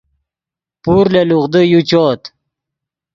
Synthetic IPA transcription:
puɾleluʁd̪əjut͡ɕoːt̪

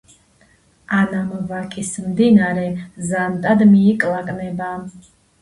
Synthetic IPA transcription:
anamvakʼismd̪inaɾɛzant̪ʼad̪miːkʼlˠakʼnɛba

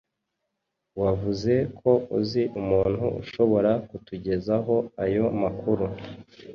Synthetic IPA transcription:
wavuze̞kʰo̞uziʔumuːn̥huṵʃo̞βo̞ɾakutuɟe̞zaɦo̞ajo̞makuɾu

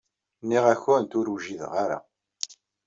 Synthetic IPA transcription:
nːiʁæçʊnt̪ʊɾuʒiðʁaɾa̰

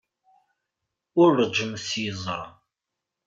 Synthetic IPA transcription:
ʊɾːəd͡ʒəmsizˤɑ̰

